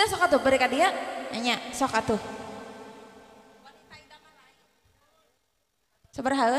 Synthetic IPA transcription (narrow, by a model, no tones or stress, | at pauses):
asɔkat̪ʊbəɾekadiaaɲasɔkat̪ʊ | ait̪aaa | səbərɦal